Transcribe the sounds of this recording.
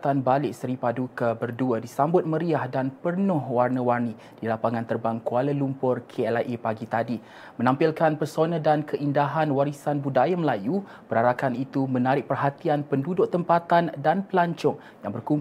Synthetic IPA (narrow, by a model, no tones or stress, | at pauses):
t̪anbalɪʔsəɾipadukəbərduədisambʊt̪̚mə̃ɾiahdanpərnʊhwarnəwarni | d̥ilapaŋãnt̪ərbaŋkualəlumpʊrkʰeɛlaʔepaɡit̪adi | mə̃nãmpilkanpərsonə̃dankʰəʔindaɦanwaɾisanbudajaməlaju | bəɾaɾakanit̪umənaɾɪʔ̚pərɦat̪ianpəndudʊʔt̪əmpat̪andanpəlaɲt͡ʃʊŋ | jaŋbərkum